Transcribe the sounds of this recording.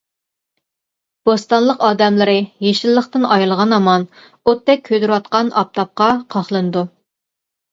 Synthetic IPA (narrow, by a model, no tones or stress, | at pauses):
b̥ost̪ɑnlˠəqɑːd̪ɛmlˠɨɾɨjeʃɪlˠːəχt̪ɨnɑjlˠʁɑnɑmɑn | ot̪ʰːɛkʲʰːød̪yɾwɑt̪qɑnɑ̰p̚t̪ʰɑp̚qɑqʰɑχlˠɨnɨd̪u